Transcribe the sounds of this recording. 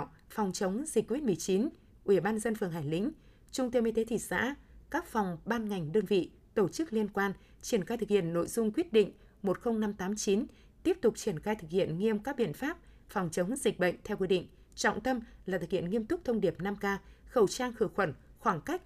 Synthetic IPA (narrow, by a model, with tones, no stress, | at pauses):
fɔ˨˩wŋ͡mt͡ɕə˨˦wŋ͡mzi˨˩kːo˧vi˦˥t̚mɨ˨˩əjt͡ɕi˨˦n | ʔwi˧˩ɓaː˧nzə˧nfɨ˨˩əŋɦaː˧˩jlḭ̈˧˥ŋ̟ | t͡ɕʊ˧ŋ͡mt̪ə˧mi˧t̪e˨˦t̪ʰḭ˧˨sa̰ː˧˥kaː˦˥k̚fɔ˨˩wŋ͡mɓaː˧nŋa˨˩jŋ̟ɗəː˧nvḭ˧˨ | t̪o˧˩t͡ɕɨ˦˥k̚li˧ənkwaː˧n | t͡ɕi˧˩ənxaː˧jt̪ɨ˨˩k̚hi˧˨ənːo̰˧˨jzʊ˧ŋ͡mkwi˦˥ət̚ɗḭ˧˨ŋ̟ | mo˨˩t̚xə˧wŋ͡mna˧mt̪aː˨˦mt͡ɕi˨˦n | t̪i˦˥əp̚t̪ʊ˨˩k͡p̚t͡ɕi˧˩ənxaː˧jt̪ʰɨ˨˩k̚hḭ˧˨ənŋi˧əmkaː˦˥k̚ɓḭ˧˨ənfaː˦˥p̚ | fɔ˨˩wŋ͡mt͡ɕə˨˦ŋ͡mzi˨˩k̟̚ɓə̰˧˨jŋ̟t̪ʰɛ˧wkwi˧ɗḭ̈˧˨ŋ̟ | t͡ɕɔ̰˧˨ŋ͡mt̪ə˧mlaː˨˩t̪ɨ˨˩khi˧˨ənŋi˧əmt̪ʊ˦˥k͡p̚t̪ʰə˧wŋ͡mɗi˨˩əp̚na˧mkaː˧xə˧˩wt͡ɕaː˧ŋxɨ˧˩əxwə˧˩nxwaː˧˩ŋka˦˥k̚